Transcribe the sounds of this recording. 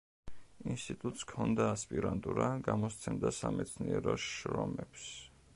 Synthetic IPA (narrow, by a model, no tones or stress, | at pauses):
inst̪ʼit̪ʼut̪ʼskʰɔnd̪aːspʼiɾant̪ʼuɾaɡamɔst̪sʰɛmd̪asamɛt̪sʰniɛɾɔʃɾɔmɛps